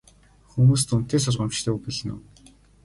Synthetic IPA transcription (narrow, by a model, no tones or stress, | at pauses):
xumuːs̬t̪un̥t̪eːs̬ʊrʁə̆mt͡ɕt̪ʰeːupiɮɘ̆nʊ̰n